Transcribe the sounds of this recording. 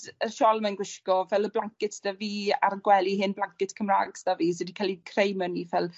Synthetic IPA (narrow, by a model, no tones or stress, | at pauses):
əʃɔlˠmanɡwɪʃkɔvɛlˠəblˠaŋkɪtʰd̥aviːa̰ɾəɡwɛlˠiɦɪnblaŋkɪtkʰəmra̰ːɡsd̥aviːs̬ɛdikʰalˠikʰrejmənivɛlˠ